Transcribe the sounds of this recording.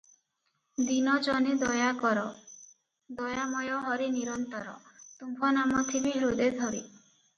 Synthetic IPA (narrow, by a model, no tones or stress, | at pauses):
d̪inɔd͡ʒɔnid̪ɔjaɔɾɔ | d̪ɔjamɔjɔɦɔɾiniɾɔnt̪ɔɾɔ̰t̪umbʱɔnamɔt̪ʰibiɦɾud̪ed̪ʱɔɾḭ